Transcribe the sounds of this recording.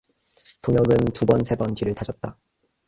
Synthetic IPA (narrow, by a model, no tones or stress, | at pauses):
toŋjʌɡɯntubʌnsʰe̞bʌntɥiɾɯɭtad͡ʑʌt̚t͈a